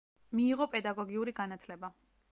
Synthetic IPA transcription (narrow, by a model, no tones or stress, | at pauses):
miːʁɔpʼɛd̪aɡɔɡiuɾiɡanat̪ʰlɛba